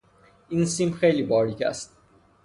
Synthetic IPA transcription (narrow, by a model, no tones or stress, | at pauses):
insĩmpxelibɑɾlikæ̰st̪̚